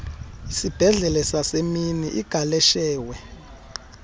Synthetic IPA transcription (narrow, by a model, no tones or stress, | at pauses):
isib̥ʱɛɮɛlɛsaseminiʔiɡ̥ʱalɛʃɛːwɛ